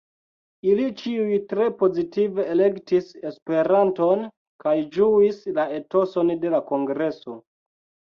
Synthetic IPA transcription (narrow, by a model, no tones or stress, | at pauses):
ilit͡ʃiujtɾe̞po̞zitive̞ːle̞ktise̞spe̞ɾanto̞n | kajd͡ʒuislae̞to̞so̞nde̞lako̞ŋɡɾe̞so̞